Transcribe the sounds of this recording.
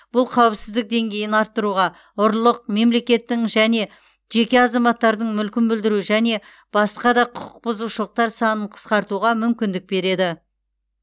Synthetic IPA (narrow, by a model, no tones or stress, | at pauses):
b̥ʊlˠqʰɑwɪpsɪzd̪ɪk̚d̪e̞ŋɡʲe̞jɪnɑɾt̪ːəɾuʁɑ | ʊɾlˠəq̚me̞mle̞kʲe̞t̪ːɪŋʒæne̞ | ʒe̞kʲe̞ɑzɑmɑt̪ːɑɾd̪əɴmʏlkʲɪnbɪld̪ɪɾuʒæne̞ | b̥ɑsqɑd̪ɑqʰʊqʰʊq̚bʊzuʃəlˠəq̚t̪ɑɾsɑnəɴqʰə̥sqɑɾt̪uʁɑmʏmkʲɪnd̪ɪk̚be̞ɾe̞d̪ɪ